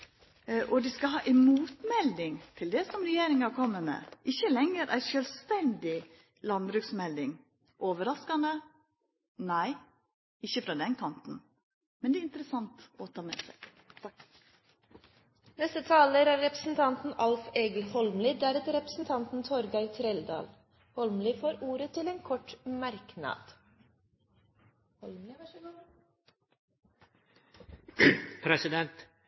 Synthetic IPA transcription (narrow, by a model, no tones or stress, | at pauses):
ʔɔd̪ɪskɑɦɑːʔɛɪmuːt̪mɛld̪ɪŋt̪ʰɪld̪ɛsɔmɾɛjeːɾɪŋhɑɾkʰɔmːəmḛːʔɪçːəlɛŋːəɾʔæ̰ɪʃøːlst̪ɛnd̪ɪ | lɑnbɾʉksmɛld̪ɪŋ | ʔoːʋəɾɑskɑnd̪ə | næɪ | ɪçːəfɾɑːd̪ɛnkʰɑnt̪n̩ | mɛnd̪ɛːɪnt̪ɾəsɑnt̪ɔt̪ʰɑːmɛ̰ːsæ̰ɪ | nɛst̪ət̪ʰɑːləɾæɾɾɛpɾəsn̩t̪ʰɑnt̪n̩ʔɑlfeːɡl̩hɔlmlɪːd̪æːɾɛt̪ɾɛpɾəsn̩t̪ʰɑnt̪n̩t̪ʰɔɾɡɑɪt̪ʰɾɛld̪ɑ̰ːl | hɔlmlifoːɾuːɾət̪ʰɪleːnkʰɔʈmɑɾknɑ̰d̪̥ | ɔ | pʰɾɛsɪd̪ɛnt̪